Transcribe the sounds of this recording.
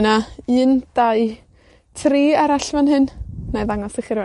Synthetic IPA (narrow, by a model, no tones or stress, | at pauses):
naɨːnd̥aɨ | tʰriːaɾaɬvanɦɨnnaðaŋɔsəχɪrv